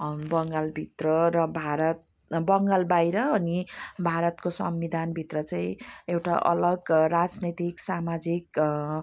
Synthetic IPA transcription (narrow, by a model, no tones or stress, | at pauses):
bʌŋɡalbʱit̪rʌɾʌbʱaɾʌt̪ | bʌŋɡalbajɾʌːnibʱaɾʌt̪kosʌ̰mbid̪ʱanbʱit̪rʌt͡saĩewʈa̰ʔʌ̰lʌɡrad͡znʌt̪iksamad͡zik